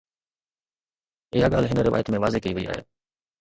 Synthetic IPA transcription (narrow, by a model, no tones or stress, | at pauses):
ɪɦaɠaːlɦɪnəɾɪʋa̰ːjət̪mẽʋaːzeːkəiʋəḭa̰ːɦḛː